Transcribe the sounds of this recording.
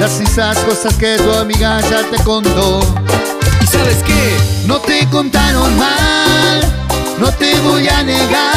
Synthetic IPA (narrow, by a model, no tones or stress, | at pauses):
lasisaskosasket̪uamiɣaʒat̪ekont̪o | isaβeskenõt̪ekont̪aɾonmas | not̪eβojaneɣa